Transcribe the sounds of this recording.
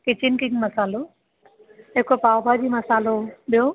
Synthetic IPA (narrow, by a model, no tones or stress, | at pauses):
kit͡ɕinkiŋmɐsaːlo | ekopawbʱad͡ʑimɐsaːlobijo